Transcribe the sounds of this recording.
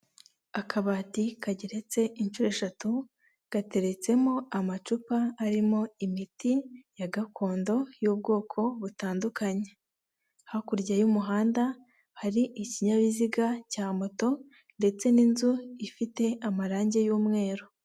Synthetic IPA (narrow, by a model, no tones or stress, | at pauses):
akʰaβaːtikaɟeɾe̞t͡se̞int͡ʃuɾe̞ʃatu | ɡ̥ate̞ɾe̞t͡se̞mo̞amat͡ʃupaːɾimo̞imitijaɡakʰo̞ːndo̞juːb̚ɡo̞ːkʰo̞βutaːndukaɲe̞ | hakuɾɟajumuɦaːnda | haɾiʔiciɲaβiziɡacaːmo̞to̞ | nde̞t͡se̞ninzuifite̞amaɾaːɲɟe̞juːmŋe̞ːɾo